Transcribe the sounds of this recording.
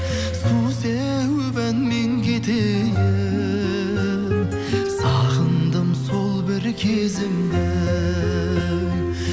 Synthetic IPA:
suse | wɵbænme̞ŋkʲʰe̞t̪ej | sɑʁənd̪əmso̞lˠbɪɾkʲʰezɪmd̪ɪ

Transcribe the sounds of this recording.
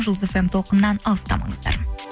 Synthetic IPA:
ʒəlˠd̪zefemt̪ʰo̞lˠqənːɑnɑlˠəst̪ɑ̰mɑ̰ɴəzd̪ɑ̰ɾ

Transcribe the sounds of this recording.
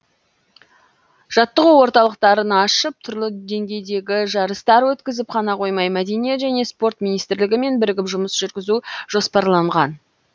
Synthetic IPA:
ʒ̥ɑt̪ːəquwo̞ɾt̪ɑlˠəqt̪ɑɾənɑʃəp̚t̪ʰʊɾlˠəd̪e̞ŋɡʲe̞jd̪e̞ɡʲɪʒɑɾəst̪ɑɾwɵt̪kʲɪzɪpqʰɑnɑqʰo̞jmɑjmæd̪e̞nijet̪ʒæne̞spo̞rt̪minijst̪ɪɾlɪɡʲɪme̞nbɪɾɪɡʲɪpʒʊməsʒʏɾɡʲɪzuʒ̥o̞spɑɾlˠɑɴʁɑn

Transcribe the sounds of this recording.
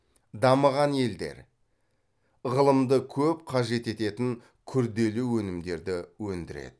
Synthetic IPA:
d̪ɑməʁɑnje̞ld̪e̞̰ɾ | ʁəlˠəmd̪əkʲʰɵp̚qʰɑʒe̞t̪e̞t̪e̞t̪ɪŋ | kʲʰʏɾd̪e̞luwɵnɪmd̪e̞ɾd̪ɪwɵnd̪ɪɾe̞̰d̪̥ɪ

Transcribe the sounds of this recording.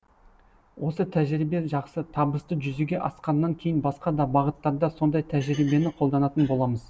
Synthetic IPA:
wʔo̞sət̪ʰæʒɾibe̞ʒɑqsət̪ʰɑbəst̪əʒʏzuɡʲe̞ʔɑsqɑnːɑŋkʲʰe̞jɪnbɑsqɑd̪ɑbɑʁət̪ːɑɾd̪ɑso̞nd̪ɑjt̪ʰæʒɾibe̞nɪqʰo̞lˠd̪ɑnɑt̪ənbo̞lˠɑməz

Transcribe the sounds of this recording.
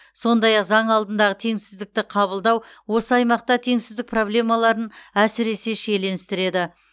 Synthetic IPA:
so̞nd̪ɑjɑqzɑɴɑlˠd̪ənd̪ɑʁət̪ʰe̞ŋsɪzd̪ɪk̚t̪ɪqʰɑβəlˠd̪ɑw | wo̞səɑjmɑq̚t̪ɑt̪ʰe̞ŋsɪzd̪ɪk̚pro̞blʲe̞mɑlˠɑɾənæsɪɾe̞se̞ʃe̞jle̞nɪst̪ɪɾe̞d̪ɪ

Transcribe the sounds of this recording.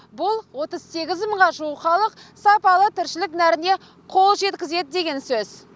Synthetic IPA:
bʊlˠwo̞t̪əz̥se̞ɡʲɪzməɴʁɑʒuχɑlˠəq̚sɑpɑlˠət̪ʰɪɾʃɪlɪknæɾɪne̞ | qʰo̞lˠʒe̞t̪kʲɪze̞d̪ɪd̪e̞ɡʲe̞nsɵz̥

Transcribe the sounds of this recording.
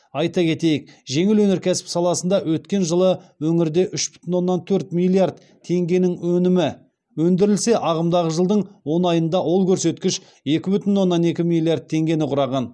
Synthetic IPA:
ɑjt̪ɑkʲʰe̞t̪e̞jɪk̚ʒe̞ŋɪlwɵne̞ɾkʲʰæsɪ̥psɑlˠɑsənd̪ɑwɵt̪kʲe̞nʒəlˠəwɵŋɪɾd̪e̞ʔʏʃbʏ̥t̪ɪnwo̞nːɑnt̪ʰɵɾt̪milˠiard̪ | t̪ʰe̞ŋɡʲe̞nɪŋwɵnɪmɪ | wɵnd̪ɪɾɪlse̞ʔɑʁəmd̪ɑʁəʒəlˠd̪əɴwo̞nɑjənd̪ɑwo̞lˠkʲʰɵɾse̞t̪kʲɪʃ | e̞kʲɪbʏt̪ɪnwo̞nːɑne̞kʲɪmilʲˠiard̪̚t̪ʰːe̞ŋɡʲe̞nɪqʰʊɾɑʁɑn

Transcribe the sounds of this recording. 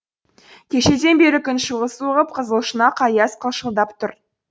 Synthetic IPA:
kʲʰe̞ʃe̞d̪e̞nbe̞ɾɪkʲʰʏnʃəʁəsuʁəp̚qʰəzəlˠʃənɑqʰɑjɑsqʰəlˠʃəlˠd̪ɑpt̪ʰʊɾ

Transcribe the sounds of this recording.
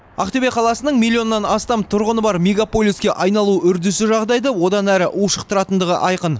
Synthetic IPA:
ɑ̰qt̪ebe̞qʰɑlˠɑsənəɴmʲilʲːijo̞nːɑnɑst̪ɑmt̪ʰʊɾʁənəbɑɾmʲeɡapo̞lʲiskʲe̞ʔɑjnɑlˠuʏɾd̪ɪsɪʒɑʁd̪ɑjd̪əwo̞d̪ɑnæɾɪʔuʃəqt̪əɾɑt̪ənd̪əʁə̰ʔɑjqən

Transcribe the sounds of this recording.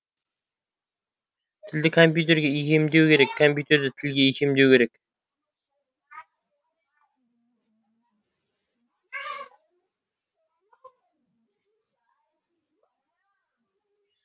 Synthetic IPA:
t̪ʰɪld̪ɪkʰompjut̪̬e̞ɾɡʲeikʲʰemd̪e̞wkʲʰeɾekʰːompʲjut̪e̞ɾd̪ɪt̪ʰɪlɡʲeikʲʰe̞md̪e̞wkʰʲe̞ɾe̞kʲ

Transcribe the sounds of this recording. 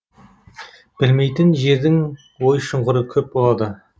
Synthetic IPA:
b̥ɪlme̞jt̪ɪnʒe̞ɾd̪ɪŋ | wojʃʊɴʁəɾəkʲʰɵp̚bo̞lˠɑd̪ə

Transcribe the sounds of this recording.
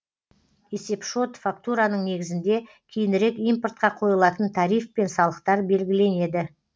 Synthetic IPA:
e̞se̞pʃo̞t̪fakt̪uɾanəɴne̞ɡʲɪzɪnd̪e̞ | kʲʰejɪnɪɾe̞kijmport̪̚qɑqʰo̞jəlˠɑt̪ənt̪ʰɑɾijfpe̞nsɑlˠəqt̪ɑɾbe̞lɡʲɪle̞ne̞d̪ɪ

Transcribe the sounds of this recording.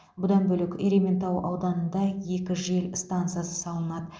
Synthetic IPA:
bʊd̪ɑnbɵlɪkʲe̞ɾʲement̪ɑwɑ̰wd̪ɑnənd̪ɑje̞kʲɪʒe̞lst̪ant̪sɨjasə̥sɑlˠənɑd̪ə

